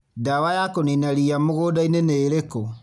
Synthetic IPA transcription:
dawajakoninaɾiamoɣodaineneːɾeko

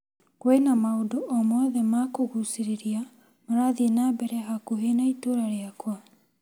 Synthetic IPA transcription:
kwenamaodoʔɔmwɔðɛmakoɣusiɾeɾia | moɾaðienabɛɾɛɦakoɦenaitoɾaɾeakwa

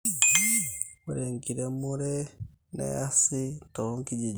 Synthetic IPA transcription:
uɾeŋkiɾemuɾe | nḛasitoŋkid͡ʒi

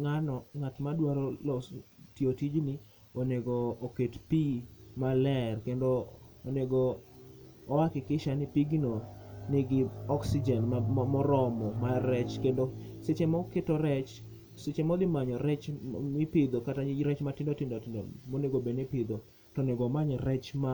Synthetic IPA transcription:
ŋanɔŋatmadwaɾɔlɔtiotid͡ʒnɪ | oneɡoːketpimalɛrkendoː | neɡoː | wakɪkɪʃanɪpiɡinonɪɡɪɔksid͡ʒɛnamɔɾɔmɔmaɾɛt͡ʃkendo | set͡ʃemɔketɔɾɛt͡ʃ | set͡ʃemɔd̪ɪmaɲɔɾɛt͡ʃmɪpɪd̪okataɾɛt͡ʃmatɪndotɪndotɪndomoneɡobenɪpɪd̪o | tɔneɡɔmaɲɔɾɛt͡ʃma

